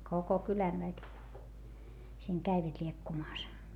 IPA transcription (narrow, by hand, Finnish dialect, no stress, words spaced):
koko kylæn ʋæki siːŋ kæiʋæt lʲiekːumɑːs